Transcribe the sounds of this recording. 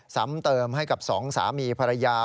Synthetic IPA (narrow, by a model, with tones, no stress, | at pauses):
sa̰˩˥mt̪ɤː˧mɦa˥˩jka˨˩p̚sɔː˩˦ŋsa̰ː˩˦miː˧pʰa˧ɾa˧jaː˧